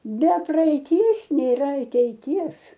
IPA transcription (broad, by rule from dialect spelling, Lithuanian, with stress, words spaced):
bʲɛ prɐɛɪˈtʲiɛs nʲeːˈrɐ ɐtʲɛɪˈtʲiɛs